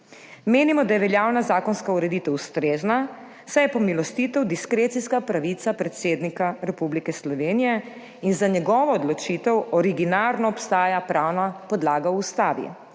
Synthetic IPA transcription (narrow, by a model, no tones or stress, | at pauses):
meːnimɔd̪ajɛʋɛljawnazaːkɔnskauɾɛd̪iːt̪ɛwust̪ɾeːzna | sajɛpɔmilɔst̪it̪ɛwd̪iskɾeːt̪siskapɾaʋit̪sapɾɛt̪seːd̪nikaɾɛpublikɛslɔʋeːnijɛ | inzaɲɛɡɔːʋɔːd̪lɔt͡ʃit̪ɛwɔɾiɡinaɾnɔɔpst̪aːjapɾaːwnapɔd̪laːɡaust̪aːʋḭ